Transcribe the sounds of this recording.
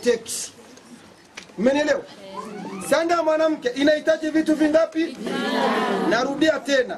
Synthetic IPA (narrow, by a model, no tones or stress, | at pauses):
tɛki̥ | m̩mɛnɛlɛɔ | saŋɡamwanam̩kɛʔinaitaʄivituviŋɡapi | naɾuɗiatɛna